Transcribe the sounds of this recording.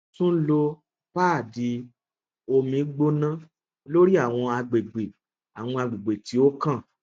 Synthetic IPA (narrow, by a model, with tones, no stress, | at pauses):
tũ˦lo˧ | paː˦˨di˧ | o˧mĩ˧˦ɡ͡bo˦nã˦ | lo˦ɾi˦a˦˨w̃ɔ̃˧a˧ɡ͡be˨ɡ͡be˨ | a˨w̃ɔ̃˧a˧ɡ͡be˨ɡ͡be˨ti˨˦o˦kã˦˨